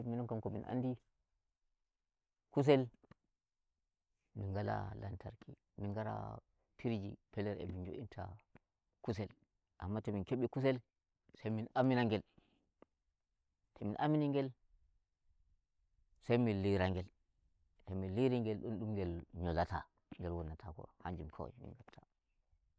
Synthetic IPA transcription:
minɔŋkamkomḭnʔa̰ndi | kus̬el | minɡala̰la̰ntʰa̰ɾkʰḭ | minɡaɾa̰ | tʰiɾd͡ʒipelɛɾḛmind͡ʒo̰ʔintʰa̰ | kus̬el | ʔamːateminkeɓikus̬el | sejminaminaŋɡɛl | tʰɛminʔaminiŋɡɛl | sajminliɾaŋɡɛl | tɛminliɾiŋɡɛlɗɔnɗumɡɛlɲɔlatʰa̰ | ŋɡɛlwɔnːatʰakɔ̰haɲd͡ʒumkʰo̰mḭŋɡatʰa

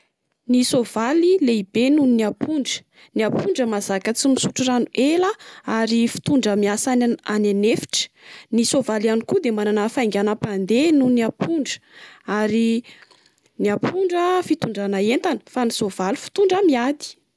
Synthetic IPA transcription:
nisovalileibenuniniapuɳɖ͡ʐə̥ | niapʰuɳɖ͡ʐəmazakət͡simisuʈ͡ʂiranuʔelaaɾifi̥t̪uɳɖ͡ʐəmiasaananefi̥ʈ͡ʂə̥ | nisovalianikud̪emananafajŋɡʲanapand̪enunapʰuɳɖ͡ʐə̥aɾi | niapʰuɳɖ͡ʐəfit̪uɳɖ͡ʐanaent̪anə̥fanisov̥ali̥fi̥t̪uɳɖ͡ʐamiad̪i̥

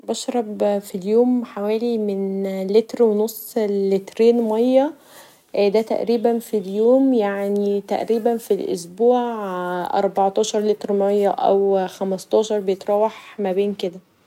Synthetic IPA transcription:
bɑʃɾˤɑbfiljoːmħawæːlimenlet̪ɾwenosˤlet̪ɾeːnmɑjːɑ | ʔːd̪æt̪æ̰ʔɾiːbænfiljoːmjaʕnit̪æ̰ʔɾiːbænfilʔo̰sbuːʕʕʔɑ̰ɾˤbɑʕt̪ˤɑːʃɑɾˤlet̪ɾmɑjːɑʔæ̰wxæmæst̪ˤɑːʃɑɾˤbejet̪ˤɾˤɑːwɑħmæbeːnked̪æ

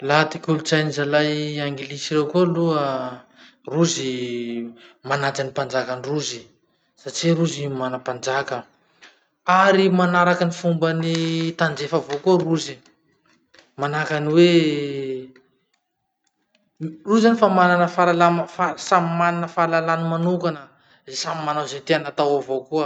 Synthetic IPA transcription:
lat̪ikʲulut͡sajnizalajaŋɡilisiɾewkuluə | ruzi | manad͡zanipand͡ʒakaniruzi | saʈ͡ʂiɾuzimanapand͡ʒakə | aɾimanaɾakənifumbənit̪and͡ʒefavokuəruzi | manakaniwe | ruzanifamananəfaɾalanfasamimananəfalalanimanukanə | zesamimanazet̪eanat̪awavokuə

